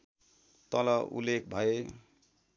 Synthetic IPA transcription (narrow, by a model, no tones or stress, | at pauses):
t̪ʌlʌʔṵlːek̚ʰbʱʌe